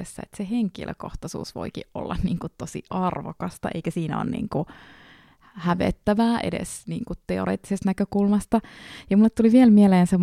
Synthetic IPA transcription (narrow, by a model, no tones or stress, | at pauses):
esːæ̰ḛt̪seheŋkḭlʔø̰ko̰ht̪ɑsṵːsʋo̰ikḭʔʔo̰lːɑ̰nniːŋkut̪t̪osḭʔɑrʋo̰kɑst̪ɑ̰ʔeikæsiːnæo̰ːnnḭːŋku | hæʋḛt̪ːæʋæːʔḛdḛsniːŋkutt̪eoɾḛːt̪ːisest̪nækøkulmɑst̪ɑjɑmulːet̪tuliʋielmieleːnsem